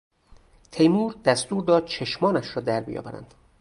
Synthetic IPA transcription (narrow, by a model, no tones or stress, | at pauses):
t̪ʰejmuːɾd̪æst̪uːɾd̪ɒːd̪̥̚t͡ʃʰeʃmɒːnæʃɾɒːd̪æɾbḭjɒ̰ːbæ̰ɾæ̰nd̪̥